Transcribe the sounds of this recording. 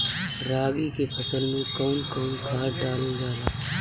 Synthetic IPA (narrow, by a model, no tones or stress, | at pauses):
ɾaːɡikepʰɐsəlmẽkɔːnkɔːnkʰaːɾɖaːled͡ʒaːlaː